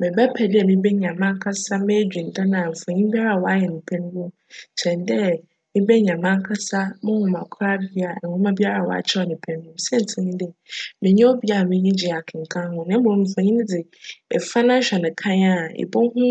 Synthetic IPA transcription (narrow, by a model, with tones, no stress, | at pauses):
mɪ̃˨bɛ˦pʰɛ˨dɪ˦ɛ˨mĩ˦bɛ˦ɲã˨mã˦ŋ˦kʰa˦sa˦me˦d͡ʑᶣĩ˨n˨dã˦nã˨m̩˨fa˨ɲĩ˦m˦bi˦a˦ɾa˨wɔ˦a˦jɛ˨nɪ̃˨pʰɛ̃˦ñ˦mʊ̃˦m˨ | t͡ɕʰɛ˨ndɛ˦ | mɪ̃˦bɛ˦ɲã˨mã˦ŋ˦kʰa˦sa˦mɪ̃˦hʊ̃˨mã˨kʰʊ˦ɾa˦bi˦a˨ɛ˨hʊ̃˦mã˦bi˦a˦ɾa˨wɔ̰˨a̰˨t͡ɕʰɛ˦ɔ˨nɪ̃˨pʰɛ̃˨ñ˦ʊ̃˦m˨sɛ˦n̩˨tʰɪ˨˦ɲĩ˦dɛ˦mɪ̃˨ɲɛ̃˦o˦bi˦a˨mɪ̃˦ɲĩ˦d͡ʑi˨a˨kʰɪ̃˨ŋ̩˨kʰã˦hʊ̃˦nã˨˦bo˨m̩˨fɔ̃˨ɲĩ˦d͡zɪ˨ | ɛ˨fa˦nã˦ɕᶣɛ˨nɪ̃˨kʰã˦ɲa˨ɪ̰˨bɔ˦hʊ̃˦